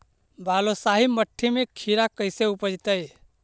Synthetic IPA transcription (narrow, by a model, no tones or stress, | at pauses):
baːlosaːɦiməʈʰːimẽkʰiɾakəɪseupəd͡ʒt̪əj